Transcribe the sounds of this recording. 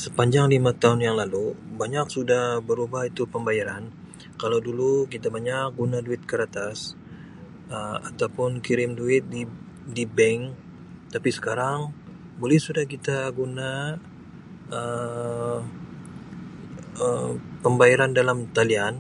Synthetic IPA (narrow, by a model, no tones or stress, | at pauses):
səpaɲd͡ʒaŋlimat̪aɦʊnjaŋlalubaɲaksudahbəɾubahit̪upəmbajaɾan | kalawdulukit̪abaɲak̚ɡunaduɪt̪̚kəɾat̪as | əmat̪awpʊnkiɾɪmduɪt̪̚di | dibɛŋ | t̪apisə̥kaɾaŋ | bolɛhsudahkit̪aɡuna | ə | əpəmbajaɾandalamt̪alian